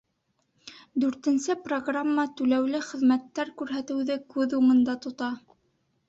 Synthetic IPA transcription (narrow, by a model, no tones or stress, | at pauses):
d̪ʉɾt̪ɘ̆nsɘproɡramːət̪ʉlæwlɘχɘ̆ðmæt̪ːæɾkʉɾɦæt̪ɘ̆wðɘkʉðumɤ̆nd̪ɑt̪ŏt̪ɑ